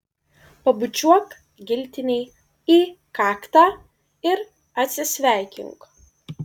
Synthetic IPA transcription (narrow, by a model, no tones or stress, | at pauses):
pɐbʊt͡ʃʲuɔk | ɡʲɪlʲt̪ʲɪnʲɛɪ | iːkɑːkt̪aː | ɪɾ | ɐt̪ʲsʲɪsʲʋʲæˑɪkʲɪ̰ŋk